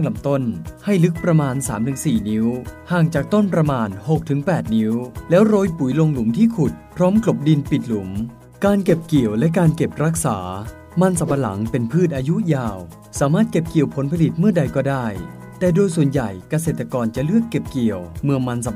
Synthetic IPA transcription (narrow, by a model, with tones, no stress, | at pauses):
a˥˩ŋla˧˩mt̪o˥˩nha˥˩jlɯ˦˥k̚pɾa˧maː˧nsaː˩˦mt̪ʰɯ˩˦ŋsiː˨˩ni˦˥whaː˨˩ŋt͡ɕaː˨˩k̚t̪o˥˩npɾa˧maː˧nho˨˩k̚t̪ʰɯ˩˦ŋpɛː˨˩t̪̚ni˦˥wlɛː˦˥wɾoː˧jpu˩˦jlo˧ŋlu˩˦mt̪ʰiː˥˩kʰu˨˩t̪̚pʰɾɔː˦˥mklo˨˩p̚di˧npi˨˩t̪̚lu˩˦m | kaː˧nke˨˩p̚ki˨˩əwlɛ˦˥kaː˧nke˨˩p̚ɾa˦˥k̚sa̰ː˩˦ | ma˧nsa˨˧˩pa˧la̰˩˦ŋpe˧npʰɯː˥˩t̪̚ʔaː˧ju˦˥jaː˧w | saː˩˦maː˥˩t̪̚ke˨˩p̚ki˨˩əwpʰo˩˦npʰa˧li˨˩t̪̚mɯ˥˩ɐda˧jkɔː˥˩daː˥˩j | t̪ɛː˨˩doː˧jsu˨˩ənja˨˩jka˧s̬e˨˩t̪ːa˧kɔː˧nt͡ɕa˨˩lɯ˥˩əkːe˨˩p̚ki˨˩əwmɯ˧əŋma˧nsa˨˧˩